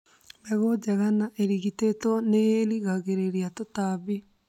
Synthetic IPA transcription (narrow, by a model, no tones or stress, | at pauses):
mɛɣod͡ʒaɣanaʔeɾiɣitetɔneeliɣaɣeɾeɾiatotaβi